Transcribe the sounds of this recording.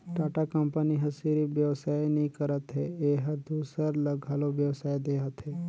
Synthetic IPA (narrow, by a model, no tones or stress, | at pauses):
ʈaːʈakəmpəniɦɐsiɾiʋjɐʋsaːjnəĩkəɾət̪ɦeeɦəɾd̪uːsəɾləɡʱaːloʋjəʋsaːed̪eːɦət̪ɦeː